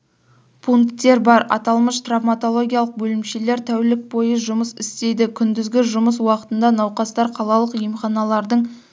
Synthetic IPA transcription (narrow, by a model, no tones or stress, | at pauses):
pʰuŋkt̪ːe̞ɾbɑɾɑ̰t̪ɑlˠməʃt̪ravmat̪o̞lˠo̞ɡʲijalˠəq̚bɵlɪmʃe̞le̞ɾt̪ʰæwlɪk̚bo̞jəʒʊməsɪst̪e̞jd̪ɪkʲʰʏnd̪ɪzɡʲɪʒʊməs̬wɑqə̥t̪ənd̪ɑnɑwqɑst̪ɑɾqʰɑlˠɑlˠəqijmχɑnɑlˠɑɾd̪əɴ